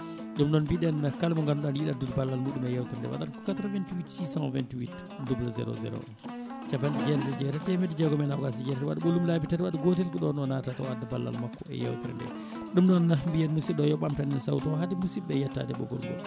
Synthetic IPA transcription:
ɗumɗɔnbiɗɛnakalmɔŋɡanɗɔnjiɗadudbalːalmuɗumɛjawt̪ɾɛndɛ̰wa̰ɗa̰dkɔ̥kat̪ɾavɛntiwitsisanvɛ̰ntwit | dublazɛ̰ɾɔ̰zɛ̰ɾɔ̰ | t͡ʃabanɗid͡ʒɛnɗɛd͡ʒɛɾɛtɛmɛtid͡ʒɛɡɔmɛnawɡasid͡ʒɛɾɛɾwa̰ɗuɓolːumlabitaɾɓaɗɡotelkiɗɔnɗɔnatatɔadabalːa̰lmakːɔɛ̰ja̰wtɾɛ̰ndɛ̰ | ɗumɗɔnambijɛnmusiɗɔjɔɓamtanɛnsawtɔɦadimusibɛjatːa̰dɛɓɔ̰ɡɔ̰lɡɔ̰l

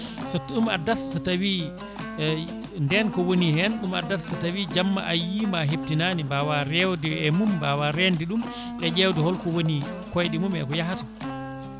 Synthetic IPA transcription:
sɔtːɗuma̰dːatsatawi | ndɛnkɔwonihɛnɗuma̰dːatsatawid͡ʒamːa̰ʔajimaɦeb̚tinanimbawaɾɛwdɛɛmumbawaɾɛndiɗum | ɗɛd͡ʒɛwdɛhɔlkɔwoni | kɔjɗimumɛ̰kɔjaɦata

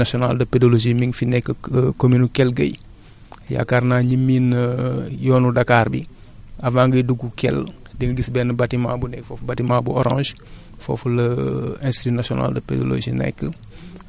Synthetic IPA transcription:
asiɔna̰ldəpedoloʒimiŋfinɛkːəkominukɛlɡɐ̰j | ja̰kaɾnaɲimːinəjɔːnudakaːɾbḭ | avãːŋɡəduɡukɛ̰l | diŋəɡisbɛnəbatima̰ːbunɛkːfɔfbatimabuɔɾã̰ːʒ | fo̰fləɛ̃stitinasiɔna̰ldəpḛdo̰lo̰ʒinɛ̰kːə

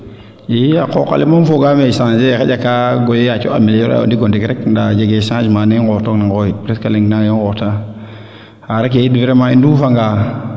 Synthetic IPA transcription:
jiakoka̰limanfoɡamesãd͡ʒexeakaɡojeat͡ʃo̰a̰miljoɾa̰o̰ndiɡondikɾekndad͡ʒeɡesãd͡ʒmaniŋɡotoknaŋɡojipɾetkaliŋɡnajoŋkota | aɾak̬eidviɾemaindufaŋɡa

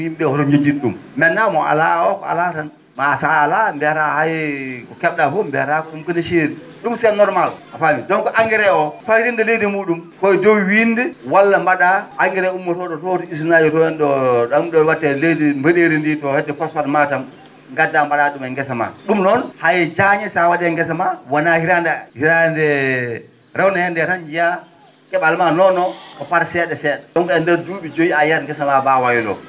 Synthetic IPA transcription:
wimbɛhɔɾoɲd͡ʒed͡ʒinɗṵmmɛnːamɔʔa̰la̰ɔkɔ̰a̰latan | masaalambɛɾahajkɔkɛɓdafombɛ̰ɾakɔumkənaʃeːɾiɗumsɛnɔɾmalafamidɔnkɔʔaŋɡɛɾɛɔfajɾindɔledimuɗumkɔjdowindiwalːambaɗaʔaŋɡɛɾɛumːotɔdɔtɔtiis̬najitɔjɛndɔɗɔmɗɔwatːɛledimbəɗeɾinditɔhɛdːɛfasfatmatam | ŋɡadːambaɗaɗumɛŋɡɛsama̰ɗumnɔnhajɛd͡ʒaɲɛsawaɗɛŋɡɛs̬amawanahiɾandahiɾaɛndɛ | ɾawnahɛndɛɾaɲd͡ʒija | kɛɓalmanɔnːɔkɔpaɾsɛɗɛsɛːɗɛɗɔnkɔɛndɛɾduːɓid͡ʒojiajaɾŋɡɛsamabawajilɔ̰

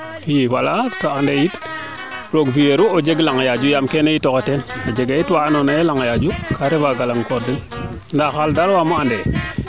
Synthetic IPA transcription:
jiwalatoandejit | ɾoɡvijeɾuod͡ʒeɡlaŋajad͡ʒujamkenejitoketenod͡ʒeɡajitwaːnonajelaŋajad͡ʒukʰaɾevaɡalaŋkoɾdi | ndaxaldaɾwamoande

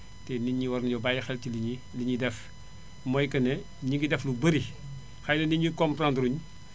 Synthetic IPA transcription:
tɛniɲːiwɐrnɐɲɔbajɐxɛltiliɲiliɲidɛf | mɔjkɐnɛ | ɲiŋɡidɛflubɐɾi | xɐjnɐniɲikɔmpɾandɾuɲ

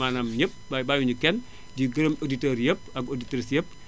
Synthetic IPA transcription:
anamɲəp̚babajuɲukɛn | diɡəɾəmoditoɾjəp̚aɡoditɾisjəp̚

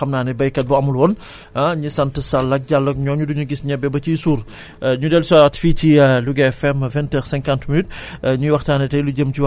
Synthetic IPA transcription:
ɐmnaːnɛbɐjkɐt̚buɐmulwɔn | aɲisɐntəsɐlɐk̚ɟalːɐk̚ɲɔːɲuduɲuɡisɲɛbːɛbɐcisuːr | ɲudɛlsaːwɐtficiluɡɛɛfɛmvɛntɛɾsɛ̃ŋkãntminyt̚ɲuwɐxtaːnɛtɐjluɟəmciw

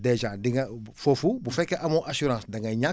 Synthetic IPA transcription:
dɛd͡ʒãdiŋfofubufɛkɛʔamõʔasuɾãːsdaŋaɲã

